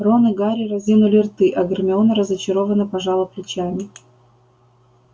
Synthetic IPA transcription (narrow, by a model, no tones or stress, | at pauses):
ronɨɡaɾʲɪrɐzʲinʊlʲɪrt̪ɨʔɐɡərmʲɪonəɾəzət͡ɕɪɾovənɨpɐʐalˠəplʲɪt͡ɕamʲɪ